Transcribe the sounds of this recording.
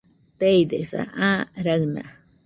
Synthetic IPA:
t̪ejd̪esa̰ʔaɾana̰

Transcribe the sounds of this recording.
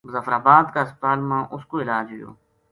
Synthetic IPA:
mʊzəfɾaːbaːd̪kaːɪspət̪aːlmãːʔʊskoːɪlaːd͡ʒʋɪjo̰ː

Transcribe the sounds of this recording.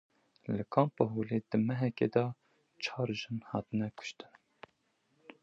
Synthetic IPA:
ləkʰɑːmpəɦoːled̪̥ɨmɛɦɛkḛd̪ɑ | t͡ʃʰɑːɾʒɨnhɑːt̪ɨnɛkʰʊ̥ʃt̪ɨn

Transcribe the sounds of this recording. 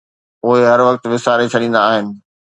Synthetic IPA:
ʊɦeɦɐɾʋɐkt̪ʋɪsaːɾet͡ɕʰɐɗĩːnd̪aːɦɪnɪ̆

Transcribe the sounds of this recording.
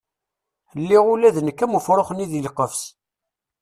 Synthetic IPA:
əlːiʁulæðənəkːæmufɾˤoχəniðilqːəfs

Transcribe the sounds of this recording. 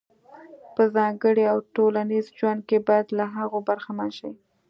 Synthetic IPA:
pəzɑŋɡəɽiawʈolanizd͡ʒwand̪̚kebɑjad̪laɦaɣobaɾxamanʃaj

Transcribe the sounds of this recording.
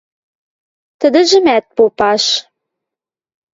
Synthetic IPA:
t̪ə̆d̪ə̆ʒə̆mæt̪̚popɑʃ

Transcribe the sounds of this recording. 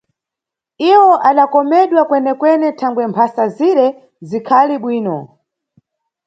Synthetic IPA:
iwɔʔaɗakɔmɛɗwakwɛnɛkwɛnɛtʰaŋɡwɛmpʰasaziɾɛ | zikʰaliɓwiːnɔ̰

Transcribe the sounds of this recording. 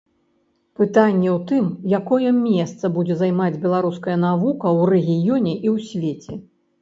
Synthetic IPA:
pɨt̪anʲːɛwt̪ɨmjakɔjɛmʲɛst̪sɐbud͡zʲɛzajmad͡zʲbʲɛlˠaɾuskɐjɐnavukɐwrɛɣʲijɔnʲɛʔiwsʲvʲet͡sʲɛ

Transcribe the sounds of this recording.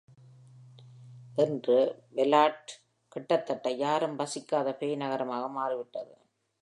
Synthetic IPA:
ʔɪndrɯʋɛlaːʈ | kɪʈːɐt̪ːɐʈːɐɪjaːɾɯmbɐsɪkːaːðɐpeːjnɐɣɐɾɐmaːɣɐmaːɾɯʋɪʈːɐðɯ

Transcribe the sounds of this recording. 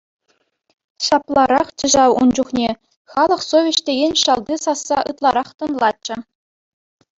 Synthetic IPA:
ɕɑplˠɑɾɑχt͡ɕɘ̆ʑɑwund͡ʑuχnʲe | χɑlˠɤ̆χsovʲeɕtʲeɡʲenʲɕɑlˠd̪ʲisɑsːɑʔɯt̪lˠɑɾɑχt̪ɤ̆nlˠɑt͡ɕːɘ̆

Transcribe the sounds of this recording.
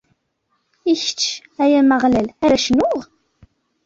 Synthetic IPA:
içə̥t͡ʃː | æjæməʁlælæɾæʃnʊʁ

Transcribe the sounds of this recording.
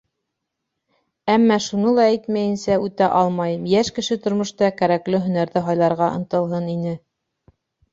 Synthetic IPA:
æmːæʃunɤlˠɑæjt̪mæjɘ̆nsæʉt̪æʔɑlˠmɑjɤmjæʃkɘ̆ʃɘt̪ŏɾmŏʃt̪ɑkæɾæklɘɦɵ̆næɾðɘɦɑjlˠɑɾʁɑʔɤ̆nt̪ɤ̆lˠɦɤninɘ

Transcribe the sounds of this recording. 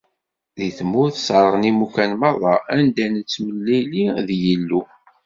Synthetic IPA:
ðiθmuθsəɾˤənimukænmɑðˤɑænd̪ænət͡sːməlːiliðjəlːu

